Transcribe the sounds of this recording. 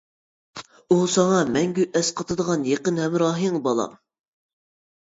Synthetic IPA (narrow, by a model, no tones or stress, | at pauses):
usɑŋɑmɛŋɡʲyʔɛsqʰɑt̪ʰɨd̪əʁɑnjeqənhɛmɾɑːɦiŋbɑlˠɑ̰m